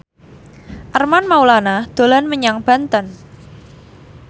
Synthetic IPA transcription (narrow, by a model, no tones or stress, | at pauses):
ʔərmanmaulanad̪̥o̤lanməɲaŋb̥a̤nt̪ən